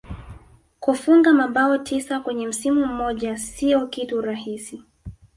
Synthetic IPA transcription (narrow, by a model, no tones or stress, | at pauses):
kufuŋɡamaɓaɔtʰisakwɛɲɛm̩simum̩mɔʄasiɔkituɾahisi